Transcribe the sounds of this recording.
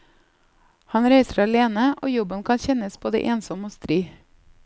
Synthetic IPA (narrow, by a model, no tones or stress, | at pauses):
hɑnɾæɪsəɾɑleːnəʔoːjɔbənkʰɑnçɛnəsb̥oːd̪ə̰ʔeːnsɔmoːst̪ɾiː